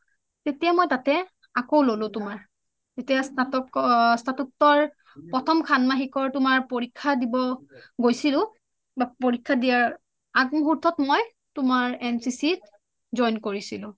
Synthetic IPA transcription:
tetijamojtatɛ | akowlolʊ̃tʊmaɹ | tetijastʰatɔkstʰatuk̚tɔɹ | pɹɔtʰɔmkʰanmaɦikɔɹtʊmaɹpoɹikʰːadibɔɡojsilʊ̃ | bapoɹikʰːadijaɹ | aɡmɔɦuɹtʰɔtmoj | tʊmaɹɛnsisit | zɔjnkoɹisilʊ̃

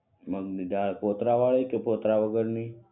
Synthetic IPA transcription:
məɡd̪id̪aɭpot̪ɾaʋaɭekepot̪ɾaʋəɡəɾni

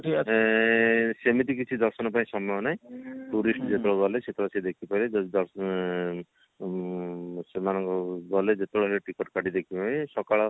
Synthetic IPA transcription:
ʈ | semit̪ik̬it͡ʃʰid̪ɔɾsɔnɔpaĩsɔmɔjɔnaj̃ʈuɾisʈd͡ʒet̪ɽɔbɔleset̪ɔɽɔsʰed̪ekʰipaɾed̪ɔɾ | semanɔŋkɔbɔled͡ʒet̪ɔɽɔɦɾeʈikɔʈkaʈid̪ekʰipaĩsɔkaɭɔ

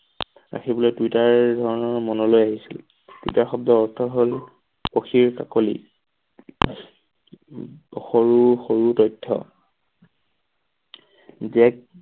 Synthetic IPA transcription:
ɹa̰xʰibɔlojdwitaɹdʱɔɹɔnɔɹmɔnɔlojaɦisḭl | d̥uitaɹxɔb̚dɔːɹtʰɔɦol | poxʰiɹka̰kolḭ | xoɹuxoɹutɔjtʰːɔ̰ | zɛk̚

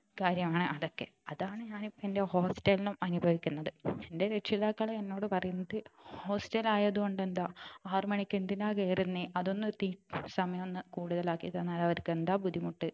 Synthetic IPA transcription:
kaːɾjɐmaːɳɨʔɐðo̞kːe̞̰ɐðaːɳɨɲaːnipːoende̞ho̞ːstɐlinumɐnubʱɐʋikʲːunːɐðɨende̞ɾeʈʂiðaːkːɐɭenːo̞ːɽɨpɐrɐjunːɐðɨho̞ːstɐlaːjɐðuko̞ɳɖe̞nd̪aːaːrmɐɳikʲːend̪inaːkeːrunːiɐðonːɨt̪iːsɐmɐjɐmonːɨkuːɽuðɐlaːkːit̪ɐːnːaːlɐʋɐɾukːend̪aːbud̪ʱimuʈːɨ

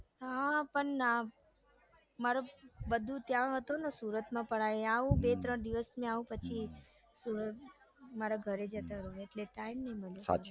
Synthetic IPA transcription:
ɦapəɳna | maɾobəd̪ʱũt̪jãɦət̪onosuɾət̪mãpəɽajaʋũbet̪ɾəɳd̪iʋəsmẽaʋũpət͡ʃʰi | suɾət̪ | maɾaɡʱəɾed͡ʒət̪aɾoeʈleʈaimnəɦĩməljosa̰t͡ʃi

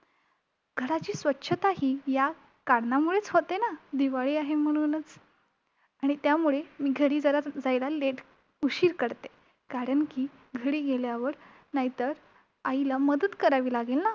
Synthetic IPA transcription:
ɡʱəɽat͡ɕiːsʋətːɕʰət̪aɦiːja | kaɽnamuɭet͡sɦot̪enad̪iʋaɭiːaɦem̤əɽ̃unət͡s | aɽ̃it̪jamuɭemiːɡʱəɽiːd͡zəɾad͡zajlaleʈ | uɕiːɾkəɾt̪e | kaɾəɳkiː | ɡʱəɽiːɡeljaʋəɾ | naɦit̪əɾ | ailaməd̪ət̪kəɾaʋiːlaɡelna

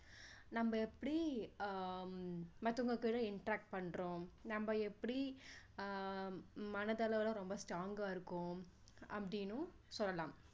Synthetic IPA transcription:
nɐmːbɐɛpːɐɽi | mɐt̪ːɯŋɡɐkiːɽɐɪɳʈɾaːk̚ʈ̚pɐɳːɾõnɐmbɐɛpːɐɽi | mɐnɐðɐlɐʋɪlɐ̃ɾɔmbɐsʈɾaːŋɡaːɪɾɯkːʊ̃ | ɐpːɐɽɪnːʊ̃ | sɔlːɐlaːm

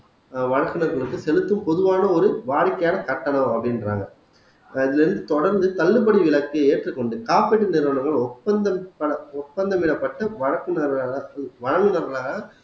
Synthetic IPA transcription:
ʋɐɻɐkːɯnɐɾɣɐɭɯkːɯsɛlɯt̪ːɯmpɔðɯʋaːnɐɔɾɯʋaːɻɪkːɐjaːnɐk̪ɐʈːɐɳɐmɐpːɐɽɪndɾa̰ːŋɡɐ | ɪðɪlɪɾɯnd̪ɯt̪ɔɽɐɾnd̪ɯt̪ɐlːɯpɐɽiʋɪɭɐkːɯeːʈrɯkːɔɳɖɯkaːpeʈːɯnɪɾʋɐɳɐŋɡɐɭɔtpːɐnd̪ɐpɐɐɔtpːɐnd̪ɐmɪɽɐpːɐʈːɐʋɐɻɐkːɯnɐɾːɐʋɐɻɐŋɡɯnɐɾɣɐɭaːɣɐ

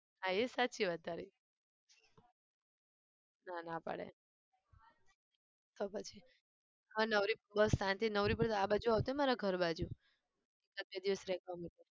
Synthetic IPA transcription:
ɦãesatːt͡ʃʰiʋəd̪ʱaɾi | nanapə̰ɽḛ | t̪opət͡ʃʰi | ʋanəʋɾipbəsãnt̪ʰinəʋɾipəɾt̪abad͡ʒuaʋt̪uɛmaɾaɡʱəɾbad͡ʒu | ekət̪ed̪iʋəsɾɛkʰamaʈe

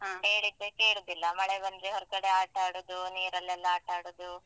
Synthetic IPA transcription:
ɦɦeːɭid̪ːekeːɭud̪ilːɐmɐɭebɐnd̪ɾeɦɔɾkɐɽeaːʈaːɽud̪uniːɾɐlːɛlːaːʈaːɽud̪u

